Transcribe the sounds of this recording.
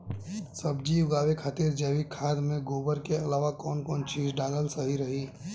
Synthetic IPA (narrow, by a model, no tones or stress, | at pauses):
sɐbd͡ʒijʊɡaːʋekʰaːt̪iɾd͡ʒɛːʋikʰːaːd̪mẽɡoːbəɾkeɐlaːʋakɔːnkɔːnt͡ʃiːzɖãːləlsəɦiɾɐɦiː